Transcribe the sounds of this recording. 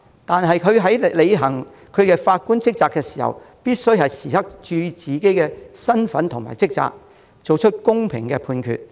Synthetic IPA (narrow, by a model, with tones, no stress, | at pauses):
t̪aː˨nɦɐ˨jkʰɵ˨˧ɥɦɐ˨˥jle˨˧jɦɐ˨˩ŋ | kʰɵ˨˧ɥkɛː˧faː˧t̚kuː˥nt͡sɪ˥k̚t͡saː˨˧kːɛː˧si̥ː˨˩hɐ̰˨˩wpiː˥t̚sɵ˥ɥhɐ˨jsiː˨hɐ˥k̚t͡ʃyː˧t͡siː˨ke˥jkɛː˧sɐ˥nfɐ˨˥nt̪ʰʊ˨ŋma̰ː˨˩jt͡sɪ˥k̚t͡sa̰ː˧k̚ | t͡so˨wt͡ʃʰɵ˥t̚kʊ˥ŋpʰɪ˨ŋkɛː˧pʰuː˧nkʰy̰˨t̚